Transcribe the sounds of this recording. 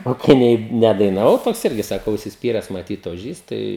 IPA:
oː kɐɪ ˈnʲɛɪ ˌnʲæːdɐɪnɐˈʋɐʊ ˈtoːks ˈɪrʲɡʲɪ ˈsɑːkɐ ʊʃʲsʲɪsʲˈpʲiːrʲɛs mɐˈtʲiːt oːˈʒʲiːs ˈtɐɪ

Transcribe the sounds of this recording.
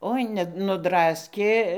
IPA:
ˈoːɪ nʲɛ nʊdˈrɑːsʲkʲeː

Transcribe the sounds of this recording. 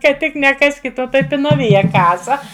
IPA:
kɐ ˈtʲɪk nʲɛˈkɑːsʲkʲɪt ˈoː ˈtɐɪ pʲɪnɐˈʋʲɪjɛ ˈkɑːsɐ

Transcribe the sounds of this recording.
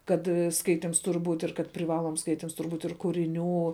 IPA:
ˈkɐt ˈskɐɪtʲɪms ˈtʊrʲ ˈbuːtʲ ɪr kɐt pʲrʲɪˈʋɑːlˠoːms ˈskɐɪtʲɪms ˈtʊrʲ ˈbuːtʲ ɪr kʊrʲɪˈnʲuː

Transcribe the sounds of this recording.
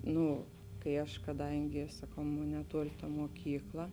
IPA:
ˈnuː kɐɪ ˈɐʃ kɐˈdɐŋʲɡʲɪ sɐˈkɐʊ ˈmoːn nʲɛˈtuɔlʲɪ tɐ moːˈkʲiːklˠɐ

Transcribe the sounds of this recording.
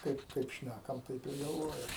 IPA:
ˈkɐɪp ˈkɐɪp ˈʃʲnʲækɐm ˈtɐɪp ɪr ɡɐlˠˈʋoːjɛm

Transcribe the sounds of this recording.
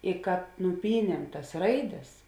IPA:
ɪ kɐt nʊˈpʲiːnʲiɛm tɐs ˈrɐɪˌdʲɛs

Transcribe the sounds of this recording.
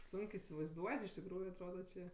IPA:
ˈsʊŋk ɪ ɪsʲɪʋɐɪzˈduɔtʲ ɪʃ tʲɪkˈruːjʊ ɐtˈroːdɐ t͡ʃʲeː

